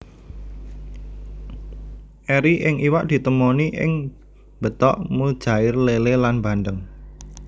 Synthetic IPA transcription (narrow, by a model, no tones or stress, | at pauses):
ʔeɾiʔɪŋʔiwaʔd̪̥i̤t̪əmoniʔɪ̰ŋ | b̥ət̪ɔ̰ʔmud̥ʒ̥a̤ɪrlelelanba̤nd̪əŋ